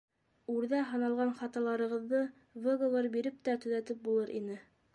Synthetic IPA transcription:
ʉɾðæɦɤ̆nɑlˠʁɑnχɑt̪ɑlˠɑɾɤ̆ʁɤ̆ðːɤ | veɡovɤɾbiɾɘp̚t̪æt̪ɵ̆ðæt̪ɘp̚bulˠɤɾʔḭnɘ

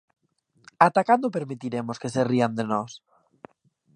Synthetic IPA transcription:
at̪akand̪ope̞ɾmit̪iɾemoske̞seriand̪enos

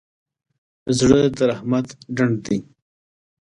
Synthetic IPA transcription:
zɽəd̪ɐɾahmat̪ɖaɳɖd̪i

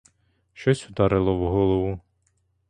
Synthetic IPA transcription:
ʃt͡ʃɔsʲʊd̪ɑɾɪlˠɔwɦɔlˠɔʋu

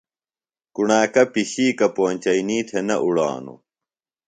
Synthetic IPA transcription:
kuɳaːkɐpiɕiːkɐpoːnʲt͡ɕɐiniːt̪ʰenɐʔuɽa̰ːnṵ

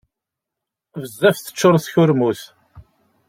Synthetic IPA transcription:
vəzːæfθə̥t͡ʃːoɾˤθçʊɾmuθ

